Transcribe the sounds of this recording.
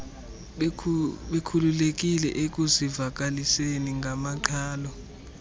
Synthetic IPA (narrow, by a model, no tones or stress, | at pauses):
ɓekʰululek̬ʼilɛ̰ʔek̬ʼuzivak̬ʼaliseniŋɡʱamaǃʰaːlɔ